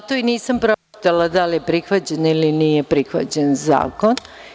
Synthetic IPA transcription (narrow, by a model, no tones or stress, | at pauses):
at̪oiniːsampɾopt̪alad̪alije̞pɾixʋat͡ɕeniliniːjepɾixʋa̰t͡ɕenza̰ːko̞n